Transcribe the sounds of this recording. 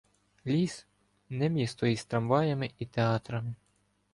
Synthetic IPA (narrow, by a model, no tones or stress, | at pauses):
lʲis | nɛmʲjist̪ɔjist̪ɾɐmʋɑjɐmɪʔit̪eɑt̪ɾɐmɪ